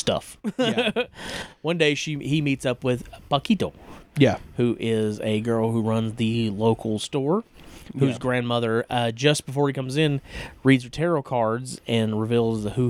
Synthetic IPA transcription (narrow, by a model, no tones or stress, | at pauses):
stʌ̰f | wʌ̃ndeɪʃihimitsʌpwɪð̥pɑkʰiɾoʊjæhʉʔɪzɨɡɜ˞lˠhuɹʌ̃nzðɨloʊkʰl̩ˠstɔɹhʉzɡɹæ̃nmʌðə˞ʔʌd͡ʒʌsb̥əfɔɹikʰʌ̃mzɪ̃nɹidzətʰɛɹoʊkʰɑɹdzɨ̃nɹɨvilˠzðəhʉ